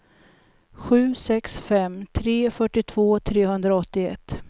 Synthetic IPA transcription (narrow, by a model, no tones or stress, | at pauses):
ɧʉ̟ːsɛksfɛmt̪ʰɾeːfœʈːɪt̪ʰvoːt̪ʰɾeːɦɵnd̪ɾaɔt̪ːɪɛ̰t̪ː